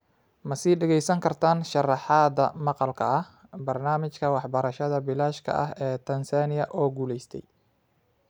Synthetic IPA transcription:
mɐsiːɖɛɣɛjsɐŋkʰɐrt̪ʰaːnʃɑrɑħɑːd̪ɐmɑqɑlkʰɐɐ | bɐrnaːmɪt͡ʃkʰɐwɑħbɐɾɐʃɐðɐbɪlaːʃkʰɐ̰ʔɐɦɛːt̪ʰɐnsaːnɪjɐʔɔːɡuːlɛjst̪ʰɛ̰j

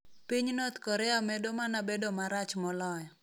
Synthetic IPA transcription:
piɲnɔt̪kɔɾɛamɛdomanabedomaɾat͡ʃmɔlɔjɔ

